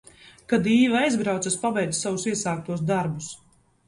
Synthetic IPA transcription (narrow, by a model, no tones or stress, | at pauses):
kad̪iːvaajzɡɾawt̪aspabɛjd̪zsavusiɛsaːk̚t̪uɔsd̪aɾbus